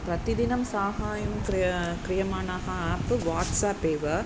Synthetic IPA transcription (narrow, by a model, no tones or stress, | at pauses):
pɾɐt̪id̪inɐmsaːɦaːjɐmkɾkɾɪjɐmaːnaːɦɐaːpɨʋaːʈsaːpeːʋɐ